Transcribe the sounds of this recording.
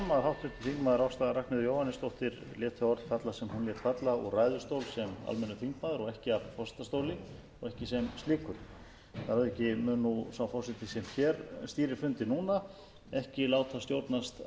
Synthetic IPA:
maðɾɦawht̪ʰɾɪt̪ɪθiŋkmaːðʏɾawst̪aðɾahknɪðʏɾjoːwhanːɪst̪owht̪ɪɾ | ljɛːt̪ʰʏɔɾt̪fat̪lasɛmhunljɛːt̪fat̪laɔ̰ɣraːjðʏɾst̪oːwlsɛma̰lmɛnːʏθiŋkmaːðʏɾɔɣɛhcɪavfɔsɪ̥t̪ast̪oːwlɪ | ɔɣɛhcɪsɛmst̪iːkʏɾ̥ | θaɾaðɛcɪmʏnːusawfɔsɪt̪ɪsɛmçɛːɾst̪iːɾɪɾfʏnt̪ɪnuːna | ɛhcɪlaːwt̪θast̪jowɾt̪nast̪

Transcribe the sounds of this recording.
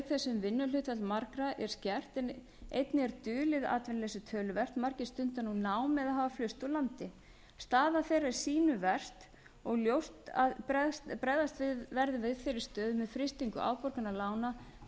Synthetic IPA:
θɛsːʏmvɪnːʏlʏt̪vɛt̪lmaɾkɾaʔɛɾ̥scɛr̥t̪ɛn | ejt̪nɪɛɾt̪ʏːlɪða̰ːt̪vɛnlɛsʏt̪ʰœːlʏvɛr̥t̪maɾ̥cɪst̪ʏnt̪anunaːwmɛðahaːvaflʏst̪ɔlant̪ɪ | st̪aːðaθejɾɛɾ̥siːnʏvɛr̥t̪ | ɔɣljowst̪pɾɛst̪pɾɛðast̪vɪvɛɾðʏvɪðθeɾɪɾst̪œːðʏmɛðfɾɪst̪iŋkʏʔa̰ːwpɔɾkʏnalaːwna

